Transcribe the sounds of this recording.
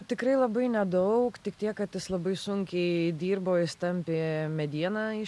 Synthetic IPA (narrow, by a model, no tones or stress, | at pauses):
t̪ʲɪkɾɐɪlˠɐbɐɪnʲɛd̪ɐʊkt̪ʲɪkt̪ʲiɛkkɐt̪jɪslˠɐbɐɪsʊŋʲkʲɛɪd̪ʲiːrboːɪst̪ɐmʲpʲeːmʲɛd̪ʲiɛnɑːɪ